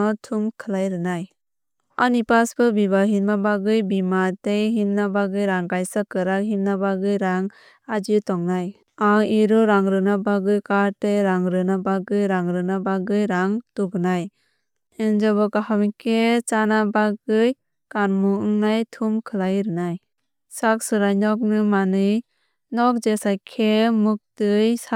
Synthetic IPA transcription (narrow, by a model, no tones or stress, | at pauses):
ɔtʰumkʰɯlajɾɯnaj | anipasbɯbibaɦilmabaɡɯjbimatejɦimnabaɡɯjɾaŋkajsakɯɾak̚ɦimnabaɡɯjɾaŋ | ad͡ʒitɔŋnaj | aŋiɾɔɾaŋɾɯnabaɡɯjkaɾteɾaŋɾɯnabaɡɯjɾaŋɾɯnabaɡɯjɾaŋtuɡnaj | ɛnd͡ʒabɔkahamikʰet͡ʃanabaɡɯj | kanmuɯŋnajtʰumkʰɯlajɾɯnaj | sak̚sɯɾajnɔk̚nɯmanɯj | nɔk̚d͡ʒesajkʰemuk̚tɯjsa